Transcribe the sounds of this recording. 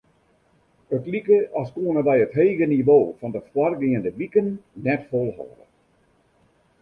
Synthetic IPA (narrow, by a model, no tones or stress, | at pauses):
ətlikəʔɔskoənəbɛjətɦeːɣəniʋoːfɔndəfwarɡɪəndəʋikənːɛtfolˠhɔ̰ːdə̰